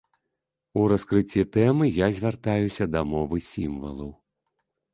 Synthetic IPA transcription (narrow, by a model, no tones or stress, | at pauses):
uɾɐskɾɨt͡sʲːit̪ɛmɨjazʲvʲart̪ajusʲɐd̪ɐmɔvɨsʲimvɐ̰lˠɐw